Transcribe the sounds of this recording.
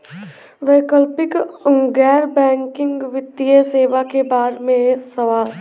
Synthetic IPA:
ʋeːkəlpɪkɡɛːɾbɛ̃ːŋkɪ̃ŋɡʋɪt̪ːiəseːʋakebaːɾmẽsəʋaːl

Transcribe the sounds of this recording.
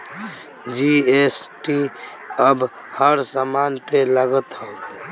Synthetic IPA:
d͡ʒiesʈi | əb | həɾsamanpeləɡət̪hə

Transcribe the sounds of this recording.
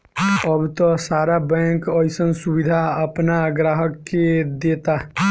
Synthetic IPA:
əbʱt̪ɔsaɾabɛ̃kəjsənsubid̪ʱaəpnaɡɾaɦəkːed̪et̪a

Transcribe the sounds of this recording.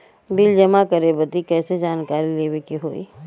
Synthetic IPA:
bild͡ʒɐmakɐɾebət̪ikɛːsed͡ʒaːnkaːɾileːwekiɦoːḭː

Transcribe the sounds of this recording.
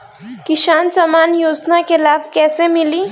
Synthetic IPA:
kisant͡ʃʌmanjod͡znakelab̚ʱkɛsemili

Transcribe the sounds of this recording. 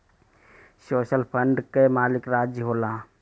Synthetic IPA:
soːʃəlpʰəɳɖkemaːlɪkɾaːd͡ʒjəɦoːlãː

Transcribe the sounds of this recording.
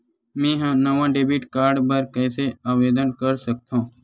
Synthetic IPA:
mẽːɦãnəʋãːɖeːbiːʈkaːɾɖpəɾkɛːseaːʋeːd̪ənkəɾsək̚t̪ãː

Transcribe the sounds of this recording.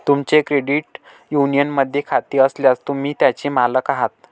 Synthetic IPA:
t̪umt͡ɕekɾeɽiʈ | junijənməd̪ʱːjekʰat̪iːəsljast̪um̤iːt̪jat͡ɕiːmaləkaɦat̪̚

